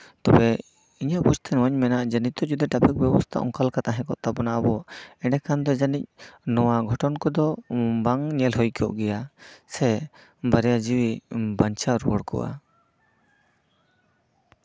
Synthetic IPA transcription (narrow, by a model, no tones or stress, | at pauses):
t̪ɔbɛ | iɲaʔpud͡ʒt̪ʰɛnwaɲmɛnaʔd͡ʒənit̪ɔd͡ʒud̪ɛʈapʰik̚bɛbɔst̪ʰa̰ʔɔ̰ŋkalkat̪aɦɛ̃kɔ̰ʔt̪abɔnaʔabɔɛɖɛkʰand̪ɔd͡ʒanic̚nɔwaɡʱɔʈɔnkɔd̪ɔbaŋɲɛlɦɔjkɔ̰ʔɡɛjasɛ | baɾɛjad͡ʒiwibaɲt͡ʃaɾwɔɽkɔ̰ʔa̰